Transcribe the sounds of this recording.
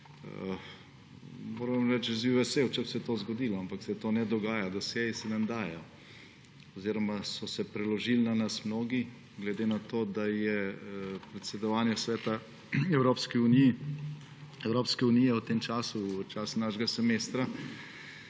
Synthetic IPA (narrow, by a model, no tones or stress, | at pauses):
moːɾʋamɾɛt͡ʃziʋɛsewt͡ʃɛbsɛt̪oːzɡɔd̪iːlɔampaksɛt̪oːnɛd̪ɔɡaːjad̪asɛjisɛnamd̪aːjɔ | ɔziːɾɔmasɔsɛpɾɛlɔʒilnanasmnoːɡi | ɡlɛd̪eːnat̪oːd̪ajɛpɾɛt̪sɛd̪ɔʋaːnjɛsʋɛːt̪a | ɛwɾoːpskiunij | ɛwɾoːpskɛunijɛwt̪emt͡ʃaːsut͡ʃaːsnaʃɡasɛmeːst̪ɾa